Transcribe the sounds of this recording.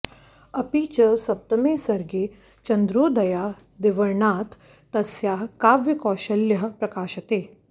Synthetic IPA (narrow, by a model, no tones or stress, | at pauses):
ɐpiːt͡ʃɐsɐp̚t̪ɐmeːsɐɾɡeː | t͡ʃɐnd̪ɾoːd̪ɐjaː | d̪eʋɐɾɳaːt̪ː | ɐsjaːkaːʋjɐkɔːʃɐljɐɦpɾɐkaːʃɐt̪eː